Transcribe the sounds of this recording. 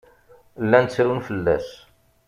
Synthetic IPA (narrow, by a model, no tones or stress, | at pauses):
lːænt͡sːɾunfəlːæ̰s